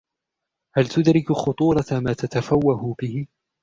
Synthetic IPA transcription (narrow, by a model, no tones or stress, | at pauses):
halt̪ʊd̪ɾɪkxʊt̪ˤuːɾˤɑmaːt̪at̪afawːahʊbɪhɪ